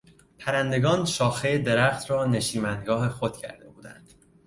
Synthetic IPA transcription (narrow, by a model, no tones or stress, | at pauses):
pʰæɾænd̪e̞ɡɒːnʃɒːxejed̪e̞ɾæxt̪ʰrɒːne̞ʃiːmænd̪ɡɒːɦe̞xo̞d̪̥̚cʰæ̰ɾd̪e̞buːd̪æ̰nd̪̥